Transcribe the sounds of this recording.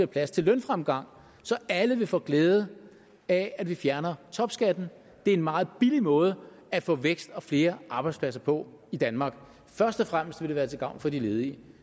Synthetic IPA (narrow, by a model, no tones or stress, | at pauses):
eɐpʰlæst͡sʰe̝lːœnfʁamɡ̥ɑ̈ŋ̰ | sɒ̽æləʋe̝fɔ̰̽ːɡ̥lɛːð̞ˠə | æædʋifjæɐnɐt͡sʰɒ̽b̥sɡ̥æd̥n̩ | d̥e̝æɐe̝nmɑ̈ːð̞̩ˠb̥ilimɔ̽ːð̞ˠə | æfɔ̰̽ːʋeɡ̥sd̥ɒ̽fle̝ːɐʔɑ̈b̥ɑ̈ɪd̥spʰlæs̬ɐpʰɒ̽ | id̥ænmɑ̈ːɡ̥ | fɶɐsd̥ɒfʁam̰əsd̥ʋe̝ɾ̥eʋæːɐt͡sʰe̝ɡ̥ɑ̈ʊ̰nfɒ̽dile̝ːð̞ˠi